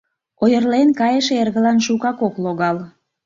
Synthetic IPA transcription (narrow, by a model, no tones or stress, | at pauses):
ojərlenkɑjəʃerɣə̆lɑnʃukɑkokloɣɑl